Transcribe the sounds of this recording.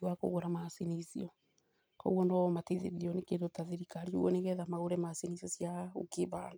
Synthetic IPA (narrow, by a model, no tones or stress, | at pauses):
wako̰ɣoɾamasinisḭɔ | kɔ̰uwɔnɔmateðḛɾiɔnekendotaðeɾikaɾio̰wɔneɣɛðamaɣoɾɛmasinisɔsjao̰keβand